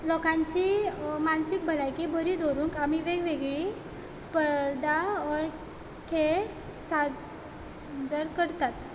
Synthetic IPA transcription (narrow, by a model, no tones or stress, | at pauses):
lɔkãɲt͡ɕimansik̚bʱəlajkibʱəɾid̪ʱoɾuːŋkamiʋeɡʋeɡɭi | spəɾd̪ʱaɔɾ | kʰeɭ | sad͡z | d͡zəɾkəɽt̪at̪